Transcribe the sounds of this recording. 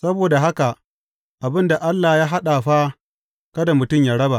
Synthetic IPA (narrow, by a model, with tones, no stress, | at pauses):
sɐ˦boː˨da˨ɦa˦ka˨ʔ | ʔa˨bɪ˦nda˨ʔa˦lːaː˨jaː˦ɦa˦ɗa˨ɸa˦ | kɐ˦da˨mʊ˨tʊ˦˨mja˦ɽɐ˦ba˨ʔ